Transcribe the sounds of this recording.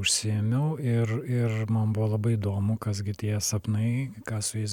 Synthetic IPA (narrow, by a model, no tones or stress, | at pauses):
ʊʃʲsʲɪɛmʲɛʊɪrɪrmɐnbʊʋolˠɐbɐɪɪd̪oːmʊkɐs̬ɡʲɪt̪ʲiɛsɐpnɐɪkɑːsʊɛɪs